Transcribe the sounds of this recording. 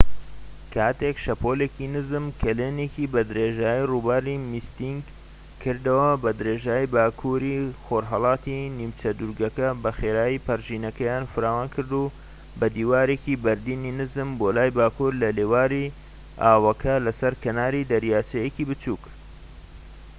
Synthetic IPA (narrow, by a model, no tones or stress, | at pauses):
kʰaːt̪ekʃɐpʰoleːkinɨzɨmkʰɐleːnekibɐd̪ɨɾeːʒaːjiruːbaɾimist̪iŋɡ | kʰɨɾd̪ɐwɐbɐd̪ɨɾeːʒaːjibaːkʰuɾixoɾɦɑlˠɑːt̪inimt͡ʃɐd̪uɾɡɐkɐbɐxeːɾaːjipɐɾʒiːnɐkɐjaːnfɨɾaːwaːnkʰɨɾd̪u | bɐd̪iːwaːɾekibɐɾd̪iːninɨzɨmboːlaːjbaːkuɾlɐleːwaːɾi | aːwɐkɐlɐsɐɾkɐnaːɾid̪ɐɾjaːsejekiːbɨt͡ʃuːk